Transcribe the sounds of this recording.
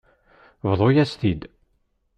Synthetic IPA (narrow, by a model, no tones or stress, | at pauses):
vðˤojæst̪id̪